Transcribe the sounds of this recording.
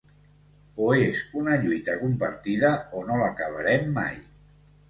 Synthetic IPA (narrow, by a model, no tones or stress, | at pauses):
oezunəʎujt̪əkumpəɾt̪iðəonoləkəβ̞əɾɛmːa̰j